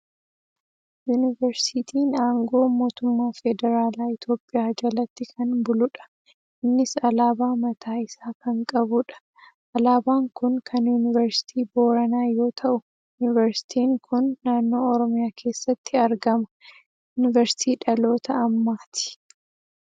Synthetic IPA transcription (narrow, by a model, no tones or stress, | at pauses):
juːnɪvɛɾsɪt̪ʰiːnaːŋɡo̞ːmo̞ːt̪ʊmːaːfɛd̪ɛɾaːlaːɪt̪jo̞ːpʼːɪjaːd͡ʒɐlɐt̪ːɪkʰɐnbʊlʊᶑɐ̥ | ʔɪnːɪsɐlaːbaːmɐt̪ʰaːɪsaːkɐŋkʼɐbʊᶑɐ̥ | ʔɐlaːbaːŋkʊnkʰɐnjuːnɪvɐɾsɪ̥t̪ʰiːbo̞ːɾɐnaːjo̞ːt̪ʰɐʔʊ | jʊnɪvɛɾsɪ̥t̪ʰiːŋkʰʊnːaːnːo̞ːɔɾɔmɪjaːkʰe̞ːsːɐt̪ːɪɐɾɡɐmɐ | jʊːnɪvɐɾsɪ̥t̪ʰiːᶑɐlo̞ːt̪ɐɐmːaːt̪ɪ̥